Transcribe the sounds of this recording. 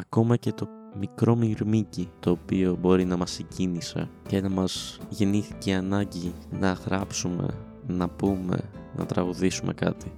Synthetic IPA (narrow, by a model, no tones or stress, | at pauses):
ɐko̞mɐce̞t̪o̞ | mikɾo̞miɾmicit̪o̞ːpio̞bo̞ɾinɐmɐseɟinisɐ̰ce̞nɐmɐz̥ʝe̞niθi̥ceɐnɐɲɟinɐɣɾɐpsume̞̰ | nɐpume̞̰nɐ̰t̪ɾɐɣuðisumʔe̞kɐ̰t̪i